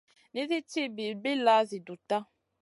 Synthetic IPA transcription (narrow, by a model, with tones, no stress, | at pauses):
nĩ˦zi˦t͡ʃi˦bi˨be˦la˨˦zi˨du˨t̪a˦